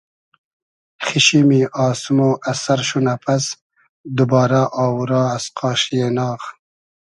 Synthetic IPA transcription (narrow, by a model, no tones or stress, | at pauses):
χiʃimiʔɑːsmoːʔasaɾʃunapʰas | d̪ubɑːɾaʔɑːwuɾɑːasqʰɑːʃjeːnɑːχ